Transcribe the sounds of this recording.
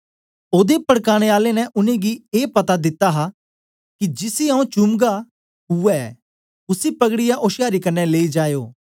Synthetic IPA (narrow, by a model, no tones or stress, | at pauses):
oːd̪epɐɽkaːɽ̃eaːlenɛʔʊnẽɡieːpɐt̪ad̪ɪt̪ːaɦa | kid͡ʒɪsiãːũt͡ʃʊmɡa | ɦʊɛ | ʊsipɐɡɽɪjaʔoːʃjaːɾikɐnːɛleːid͡ʒaːjoː